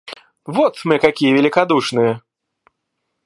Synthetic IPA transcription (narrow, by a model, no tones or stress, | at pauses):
vɔt̪mɨkakʲijəvʲɪlʲɪkad̪uʂnɨjə